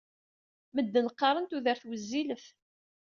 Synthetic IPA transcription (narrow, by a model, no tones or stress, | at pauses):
məd̪ːənəqːɑɾˤənt̪uðəɾθwəzːiləf